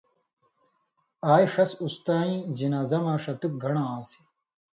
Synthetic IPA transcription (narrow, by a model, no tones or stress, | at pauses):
aːjʂɐsust̪aːĩːd͡ʑinaːzɐmãːʂɐt̪uk̚ɡʱɐɳãːãːsi̥